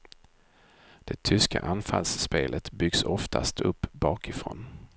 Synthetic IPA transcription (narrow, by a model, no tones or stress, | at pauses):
d̪̥ɛt̪ʰʏska̰ʔanfalsːpeːlʔət̪bʏɡsɔft̪ʰast̪ʰɵpːbɑːkɪfɾoːn